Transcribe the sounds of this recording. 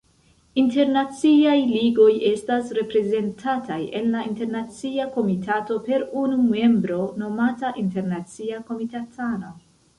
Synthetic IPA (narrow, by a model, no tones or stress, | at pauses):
inte̞ɾnat͡siajliɡo̞je̞stasɾe̞pɾe̞ze̞ntʰatʰaje̞nːainte̞ɾnat͡siako̞mitʰato̞pe̞ɾunume̞mbɾo̞no̞mataʔinte̞ɾnat͡siako̞mitatʰano̞